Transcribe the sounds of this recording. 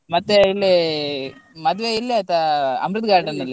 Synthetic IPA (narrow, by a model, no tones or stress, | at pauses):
mɐt̪ːeilːi | mɐd̪ʋeilːiɐt̪ɐɐ̰mɾud̪ɡaːɾɖɐnilːi